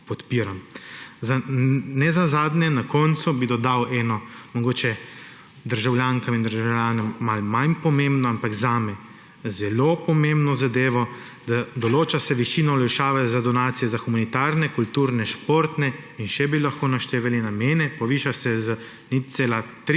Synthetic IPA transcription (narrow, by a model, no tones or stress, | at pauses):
pɔt̪piːɾamzanɛzazaːd̪nɛnakɔnt̪subid̪ɔd̪awʔɛːnɔmɔɡoːt͡ʃɛ | d̪əɾʒawljaːŋkamind̪əɾʒawljaːnɔmːalmanpɔmembnɔampaɡzaːmɛ | zɛloːpɔmembnɔzad̪eːʋɔ | d̪ad̪ɔloːt͡ʃasɛʋiʃiːnɔɔlɛʃaːʋɛzad̪ɔnaːt̪sijɛzaxumanit̪aːɾnɛkult̪uːɾnɛʃpoːɾt̪nɛinʃɛbilaxkoːnaʃt̪eːʋɛlinamɛːnɛpɔʋiːʃasɛzə | nit̪seːlat̪ɾ